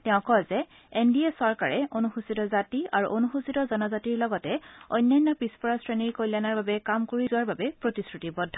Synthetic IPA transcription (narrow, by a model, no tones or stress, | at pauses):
tɛʊ̃kɔzɛ | endiesɔɹkaɹɛonuxusitɔzatiaɹṵʔonuxusitɔzɔnɔzatiɹlɔɡɔtɛɔ̰jnːajnːɔpispɔɹasɹeniɹkojlanaɹbabɛkamkoɹizʊwaɹbabɛpɹotisɹutibɔdʱɔ